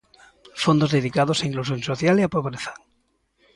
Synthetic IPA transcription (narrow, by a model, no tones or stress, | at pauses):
fond̪ozðeð̞ikað̞osaiŋklus̬jonsoθjaleapoβɾeθḁŋ